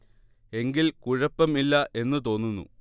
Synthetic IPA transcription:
e̞ŋɡilkuɻɐpːɐmilːɐʔe̞nːɨt̪o̞ːnːunːṵ

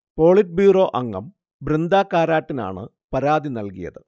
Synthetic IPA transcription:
po̞ːɭiʈ̚bjuːro̞ːʔɐŋːɐ̰m | brind̪aːkːaːɾaːʈːina̰ːɳɨ | pɐɾaːd̪inɐlkijɐ̰ðɨ

